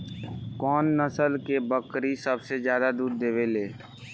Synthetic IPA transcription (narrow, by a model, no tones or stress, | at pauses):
kɔːnːəsəlkebəkɾisəbsezjaːd̪ad̪uːɾd̪eːʋeleː